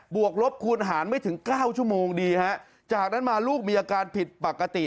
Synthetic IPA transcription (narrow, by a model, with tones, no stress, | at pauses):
bu˨˩ək̚ɾo˦˥p̚kʰuː˧nɦaː˩˦nma˥˩jt̪ʰɯ˩˦ŋkaː˥˩wt͡ɕʰu˥˩əmoː˧ŋdiː˧ha˦˥ʔ | t͡ɕaː˨˩k̚na˦˥nmaː˧luː˥˩k̚miː˧ʔaː˧kaː˧npʰi˨˩t̪̚pa˨˩kːa˧t̪i˨˩